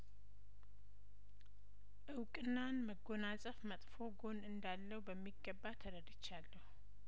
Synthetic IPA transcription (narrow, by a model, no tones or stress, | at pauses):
ʔɨwkʼɨnːanməɡo̞nasʼəfmət̪ʼfo̞ɡo̞nɨnd̪alːəhubəmːiɡːəbːat̪ʰəɾəd̪ɪt͡ʃːalːəhu